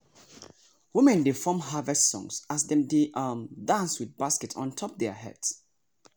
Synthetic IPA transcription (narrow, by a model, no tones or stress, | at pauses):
wimɛ̃ndefɔmɦavɛstsɔ̰̃ŋsasdɛ̃mdeʔʌmdãnswið̚baskɛtʰɔ̃n̩tʰɔp̚dɛɦɛ̰d̥s